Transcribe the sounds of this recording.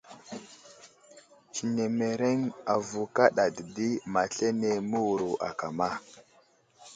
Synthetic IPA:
t͡ʃi˨ne˨me˨ɾe˦ŋa˨vu˨ka˦ɗa˨di˨di˦ma˨ɬe˦ne˨mu˦wu˨ɾu˨ʔa̰˨ka˨ma˦˨

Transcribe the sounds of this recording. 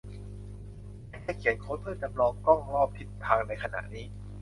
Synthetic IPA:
mɛː˥˩kɛː˧˩kʰi˨˩˦ənkʰoː˦˥npʰɯː˥˩da˧˩mlɔː˧˩p̚kɔ˥˩ŋɾɔː˥˩p̚t̪ʰi˨˦˩t̪̚t̪ʰaː˧ŋna˧jkʰa˧na̰˨˩ʔniː˦˥

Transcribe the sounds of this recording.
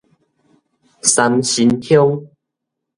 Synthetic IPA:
sa˧mɕi˧nt̪ʰjo˦ŋ

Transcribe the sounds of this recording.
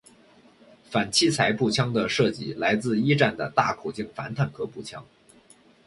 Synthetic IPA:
fa˨˩nt͡ɕʰi˥˩t͡sʰa˧˥ɪpu˥˩t͡ɕʰjɑ˥ŋd̪ə˨ʂɤ˥˩t͡ɕi˥˩la˧˥ɪt͡sɹ̩˥˧i˥ʈ͡ʂa˥˩nd̪ə̰˩t̪a̰˥˩kʰu˨˩t͡ɕi˥˩ŋfa̰˧˥nt̪ʰa˨˩nkʰɤ˥pu˥˩t͡ɕʰjɑ˥ŋ

